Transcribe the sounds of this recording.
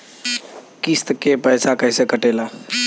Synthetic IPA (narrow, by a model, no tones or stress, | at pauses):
kist̪kepəjsakəɪsekəʈela